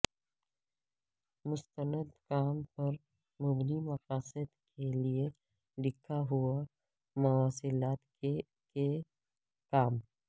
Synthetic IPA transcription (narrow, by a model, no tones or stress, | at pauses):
mʊst̪ənəd̪kaːmpɐɾ | mʊbnimɐqaːsəd̪kʰelie | ɖɪkʰːaɦua | mʊaːsɪlaːt̪ke | ke | kaːm